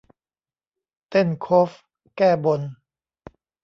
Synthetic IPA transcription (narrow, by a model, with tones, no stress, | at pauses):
t̪e˥˩nkʰo˦˥f | kɛː˥˩bo˧n